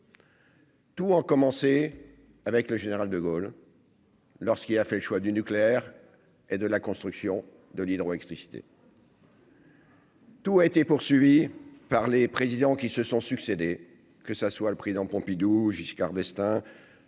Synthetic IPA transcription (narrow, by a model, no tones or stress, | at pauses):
t̪uɑ̃kɔmɑ̃se | avɛkləʒeneʁald̪əɡol | ɔʁskilafɛləʃwad̪ynykleɛʁ | ed̪əlakɔ̃st̪χyksjɔ̃ | d̪əlid̪ʁoɛkst̪χisi̥t̪ḛ | t̪uaet̪epuʁsɥivipaʁlepχezid̪ɑ̃kʲisəsɔ̃syksed̪e | kəsəswaləpχezid̪ɑ̃pɔ̃pid̪uʒiskaʁd̪ɛst̪ɛ̃